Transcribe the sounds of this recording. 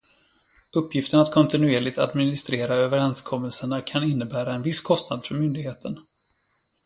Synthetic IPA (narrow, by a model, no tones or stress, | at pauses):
ɵpːjɪft̪ənat̪kʰɔnt̪ɪnɵeːɭɪɡ̚t̪a̰d̪mɪnɪst̪ɾeːɾaøːvəɾɛnskʰɔmːəlsəɳakʰanɪnːəbæːɾaɛnvɪsːkʰɔst̪nad̪fœɾmʏnd̪ɪɡheːt̪ʰən